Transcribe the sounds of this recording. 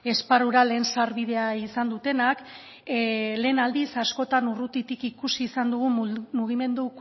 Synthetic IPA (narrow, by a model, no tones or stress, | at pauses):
e̞sparuɾale̞ːnsaɾβið̞e̞aisand̪ut̪e̞nak | le̞ːnald̪isasko̞t̪anurut̪it̪ikikusiːsand̪uɣ̞umuɣ̞ime̞nd̪u